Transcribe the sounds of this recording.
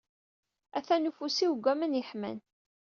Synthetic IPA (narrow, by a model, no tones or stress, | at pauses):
æθænufusiwɡʷæmənjəħmæ̰n